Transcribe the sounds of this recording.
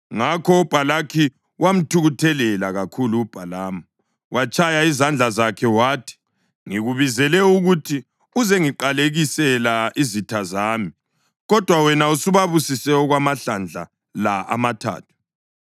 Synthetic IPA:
ŋakʰɔub̥ʱalakʰi | wam̩tʰuɣutʰɛlɛlaɣakʰuluːb̥ʱalaːma | wʔat͡ʃʼʰajaizand͡ɮʱazakʰɛwaːtʰi̥ | ŋiɣuβizɛlɛuɣutʰi | uzeŋiǃaleɣisɛlaizitʰazaːmi | ɣɔd̥ʱwawɛnausuβaβusisɛɔɣwamaɬand͡ɮʱa̰ | laa̰matʰa̰ːtʰu̥

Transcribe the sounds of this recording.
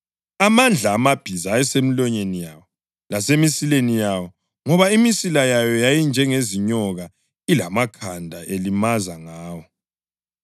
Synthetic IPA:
amand͡ɮʱaːmab̥ʱizaɛsemilɔɲenijawɔ | lasemisilenijawɔ | ŋɔβaimisilajajɔjajind͡ʒʱɛŋeziɲɔɣa | ilamakʰandʱaʔelimazaŋaːwɔ

